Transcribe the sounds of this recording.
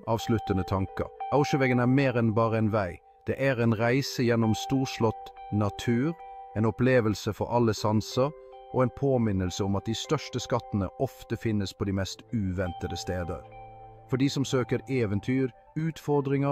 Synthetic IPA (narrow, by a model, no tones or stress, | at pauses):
ʔɑːʋslʉt̪ənət̪ʰɑŋkə̰ɾɑʊʂəʋɛɡənæɾmeːɾɛnbɑːʁəɛnʋæɪ | d̪̥ɛʔæɾɛnɾæɪsəjɛnːɔmst̪uːʂlɔt̪nɑt̪ʰʉːɾɛnɔpleːʋəlsəfɔ̰ɾʔɑlːəsɑnsəɾ | ʔɔɛnpʰoːmɪnːəlsəɔmɑt̪̚d̪ɪst̪œʂʈəskɑt̪ːənə̰ʔɔft̪əfɪnːəspʰɔd̪imɛst̪ʉːʋɛnt̪əd̪əst̪eːd̪ə̰ɾ | fɔɖiːsɔmsøːkəɾeːʋənt̪ʰyːɾ | ʉːt̪fɔɾd̪ɾɪŋə